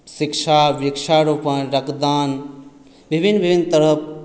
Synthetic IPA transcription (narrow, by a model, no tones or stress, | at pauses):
sikʃaʋikʃaɾupə̃nɾəkd̪aːn | bʱibʱinbʱibʱinːt̪əɾəp̚ʰ